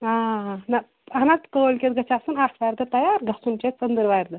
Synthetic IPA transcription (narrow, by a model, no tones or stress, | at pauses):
aɦna | ɦɐnat̪kəːlkʲet̪ɡɐt͡ɕasunasʋajɾd̪ət̪ɐjaɾɡɐsunt͡ɕesənd̪əɾʋajɾd̪ə